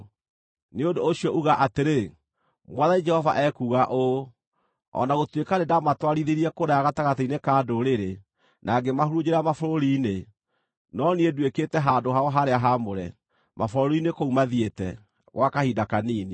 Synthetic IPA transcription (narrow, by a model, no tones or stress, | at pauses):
neodoːɕiɔʔuɣaʔateɾe | mwaðaid͡ʒɛhɔva̰ʔɛkuːɣaʔo | ɔ̰naɣotwekanedamatwaɾiðeɾiɛkoɾaaɣataɣatainekadoɾeɾe | nʔaɡemahoɾud͡ʑeɾamafoɾoɾine | nɔniedweketɛɦadoɦaɔɦaɾeaɦamoɾɛ̰ | mʔafoɾoɾinekoumaðietɛ̰ | ɣwʔakahidakaniːne